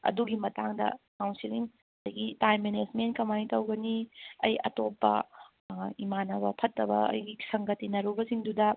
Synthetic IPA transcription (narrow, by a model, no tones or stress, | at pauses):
ɐ̰duɡimɐtaŋdɐ̰kawnsiliŋ | dɐɡitajmːened͡ʒmenkɐmanitɐwɡɐniɐ̰jɐ̰topːɐ̰ | imanɐβɐ̰pʰɐtːɐbɐ̰ɐ̰jɡisɐŋɡɐtːinɐɾubɐsiŋdudɐ